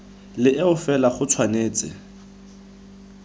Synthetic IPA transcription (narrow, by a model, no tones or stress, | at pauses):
lɪʔeʊfɛlaχʊt͡sʰwaneːt͡sʼɪ̰